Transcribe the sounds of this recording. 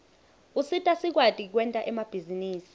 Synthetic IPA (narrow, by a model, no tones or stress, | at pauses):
usitʼasik̬watʼik̬wɛntʼaʔɛmab̥ʱiziniːsi̥